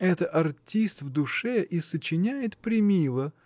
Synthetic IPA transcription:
ɛt̪əɐrtʲist̪vd̪ʊʂɛʔisət͡ɕɪnʲæjɪt̪pɾʲɪmʲilˠə

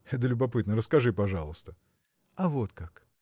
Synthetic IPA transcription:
ɛt̪əlʲʊbɐpɨt̪nəɾəskɐʐɨpɐʐɑlˠəst̪ə | ɐvo̞t̪kak

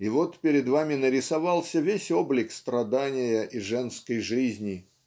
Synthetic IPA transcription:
ɪvo̞t̪pʲɪɾʲɪd̪vamʲɪnəɾʲɪsɐvɑlˠsʲəvʲesʲo̞blʲɪkst̪ɾɐd̪anʲɪjəʔiʐɛnskəjʐɨzʲnʲɪ

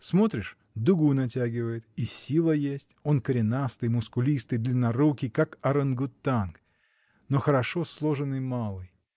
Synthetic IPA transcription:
smo̞t̪ɾʲɪʂ | d̪ʊɡunɐtʲæɡʲɪvəjɪt̪isʲilˠəjesʲtʲo̞nkəɾʲɪnast̪ɨjmʊskʊlʲist̪ɨjd̪lʲənɐɾukʲɪkakɐɾənɡʊt̪ːank | noxəɾɐʂo̞slˠo̞ʐɨnɨjmalˠɨj

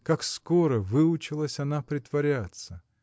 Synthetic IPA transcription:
kakskoɾəvɨʊt͡ɕɪlˠəsʲɐnapɾʲɪt̪vɐɾʲat̪sə

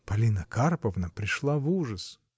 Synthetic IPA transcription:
pɐlʲinɐkarpɐvnɐpɾʲɪʂlˠavuʐəs

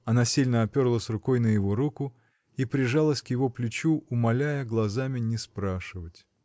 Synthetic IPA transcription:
ɐnasʲilʲnəɐpʲo̞rlˠəsʲrʊko̞jnəjɪvo̞ɾukʊ | ipɾʲɪʐalˠəsʲkjɪvo̞plʲʊt͡ɕuʔʊmɐlʲæjəɡlˠɐzamʲɪnʲɪspɾaʂɨvətʲ

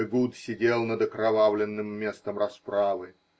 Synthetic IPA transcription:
ɡut̪sʲɪdʲelˠnəd̪əkɾɐvavlʲɪnːɨmːʲest̪əmrɐspɾavɨ

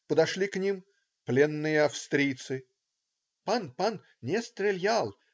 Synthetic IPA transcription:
pəd̪ɐʂlʲiknʲim | plʲenːɨjəɐfst̪ɾʲijt̪sɨ | panpan | nʲest̪ɾʲɪlʲjalˠ

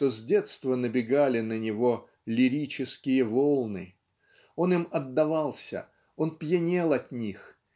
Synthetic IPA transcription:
t̪ozʲdʲet̪st̪vənəbʲɪɡalʲɪnənʲɪvo̞ | lʲɪɾʲit͡ɕɪskʲɪjəvolˠnɨ | o̞nɨmɐd̪ːɐvɑlˠsʲə̰ | o̞npjɪnʲe̞lˠɐt̪ʲnʲix

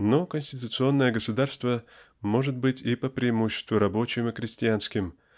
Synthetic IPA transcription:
nokənʲsʲtʲɪt̪ʊt̪sɨo̞nːəjəɡəsʊd̪arst̪və | mo̞ʐɨt̪̚bɨtʲipəpɾʲɪɪmuɕːɪ̥st̪vʊɾɐbo̞t͡ɕɪmɨkɾʲɪsʲtʲɪanskʲɪm

